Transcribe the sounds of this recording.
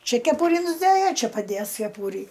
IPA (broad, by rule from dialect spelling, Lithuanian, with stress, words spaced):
ˈt͡ʃʲɛ kʲɛˈpʊrʲɪ nʊzˈdɘjɛ ˈt͡ʃʲɛ pɐˈdʲeːs kʲɛˈpuːrʲɪ